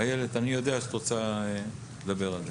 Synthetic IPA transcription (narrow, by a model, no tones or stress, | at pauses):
ajeled̪anijo̞d̪eaʃet̪ʁot͡sae | led̪abe̞ʁalze